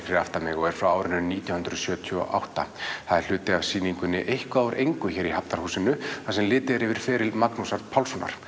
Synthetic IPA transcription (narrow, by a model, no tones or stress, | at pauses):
kɾɪaft̪amɪɣɔɣɛɾ̥fɾawaːwɾɪnːʏnniːt̪jawnhʏnd̪ɾʏsjœːt̪ʰyɔ̰ʔa̰wht̪a̰θaðɛɾ̥l̥ʏːt̪ɪavsiːniŋkʏnːɪʔejhkaːwɾʔejŋkʏçɛːɾihap̚t̪aɾ̥huːsɪnʏasɛmlɪːt̪ɪɾɪvɪɾ̥fɛːɾɪlmaknusaɾpʰawlsɔna̰ɾ̥